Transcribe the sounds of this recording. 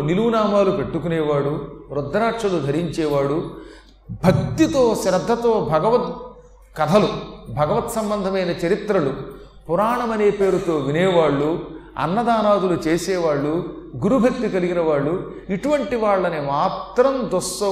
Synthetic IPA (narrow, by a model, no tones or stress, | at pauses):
niluʋnaːmaːlupe̞ʈːukunɛːʋaːɽuɾɔd̪ːɐɾaːʈʂɐlud̪ʱɐɾiɲt͡ʃɛːʋaːɽu | bʱɐɡt̪ːjit̪o̞ːʃɾɐd̪ʱːɐt̪oːbʱɐɡɐʋɐt̪ | kɐd̪ʱɐlubʱɐɡɐʋɐt̪sɐmbɐnd̪ʱɐmɐjnɐt͡ʃɐɾit̪ɾɐlu | puɾaːɳɐmɐneːpe̞ːɾut̪o̞ːʋinɛːʋaːɭːuɐ̰nːɐd̪aːnaːd̪ulut͡ʃeːsɛːʋaːɭːuɡuɾubʱɐk̚t̪ikɐliɡinɐʋaːɭːu | iʈuʋɐɳʈiʋaːɭːɐnimaːt̪ɾɐmd̪ɔsːɐ